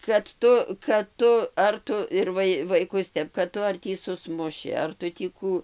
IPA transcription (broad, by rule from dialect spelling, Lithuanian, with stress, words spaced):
kɐt ˈtʊ kɐt ˈtʊ ɐr ˈtʊ ɪr ˈʋɐɪ ɪr ʋɐɪˈkʊs ˈtʲɛp kɐt ˈtʊ ɐr ˈtʲiː sʊˈsmʊʃʲɪ ɐr ˈtʊ tʲiː ˈkuː